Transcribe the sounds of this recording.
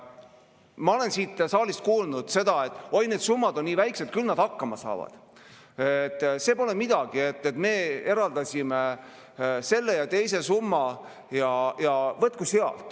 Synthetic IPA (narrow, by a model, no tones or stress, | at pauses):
mɑo̞le̞nsiːt̪ːsɑːlist̪̚kuːlnud̪̥se̞d̪̥ɑe̞t̪ːˑo̞jne̞ːd̪̥sumːɑd̪o̞nːiːvæjkset̪̚kylnɑd̪̥hɑkːɑmɑsɑ̰ːvɑ̰d̪̥ | et̪ːˑse̞ːpo̞le̞mid̪̥ɑɡ̥ie̞t̪ːˑet̪me̞ːe̞ɾɑld̪ɑsʲime | se̞lːe̞jɑt̪e̞jse̞sumːɑ | jɑjɑvɤt̪̚kuseɑ̰lt̪ˑ